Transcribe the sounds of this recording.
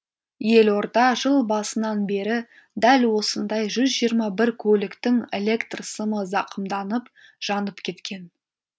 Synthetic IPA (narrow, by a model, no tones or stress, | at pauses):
je̞lo̞ɾd̪ɑʒəlˠbɑsənɑnbe̞ɾɪ | d̪ælwo̞sənd̪ɑjʒʏzʒijəɾmɑbɪɾkʲʰɵlɪkt̪ɪŋḛle̞kt̪rsəməzɑqʰəmd̪ɑnəp | ʒ̥ɑnəpkʲʰe̞t̪kʲe̞n